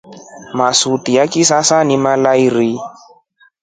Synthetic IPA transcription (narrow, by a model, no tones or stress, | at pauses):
masutijakisasanimalaiɾi